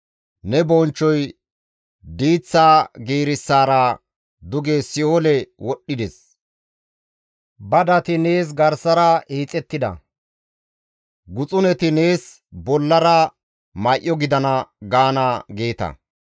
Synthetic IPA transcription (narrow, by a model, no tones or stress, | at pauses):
nɛbɔnt͡ʃːɔj | d̪iːt͡sːaːɡeːɾɪsːaːɾa | d̪ʊɡesɪoːlɛwɔɗːɪd̪ɛs | bɐd̪ɐt̪ɪne̞ːs̬ɡɐɾsɐɾɐiːt͡sʼːɛt̪ːɪd̪ɐ̰ | ɡʊt͡sʼʊnɛt̪ɪne̞ːs | bɔlːɐɾɐ | mɐjʔːɔɡɪd̪ɐnɐɡaːnaɡeːt̪ɐ̰